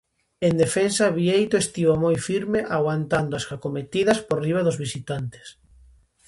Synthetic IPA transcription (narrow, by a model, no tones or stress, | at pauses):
end̪efensaβiejt̪oest̪iβomojfiɾmeʔaɣwant̪and̪oasakomet̪iðɐsporiβaðʊzβisit̪ant̪e̥s